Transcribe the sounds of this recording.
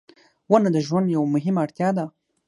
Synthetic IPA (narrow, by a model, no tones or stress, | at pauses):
wənad̪əʒwand̪jawmʊɦɪmaɽt̪jɑd̪a